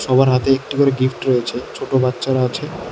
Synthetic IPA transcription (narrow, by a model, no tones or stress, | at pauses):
ʃɔbaɾɦat̪eek̚ʈikoɾeɡifʈɾoet͡ɕʰet͡ɕʰoʈobatːɕaɾaat͡ɕʰe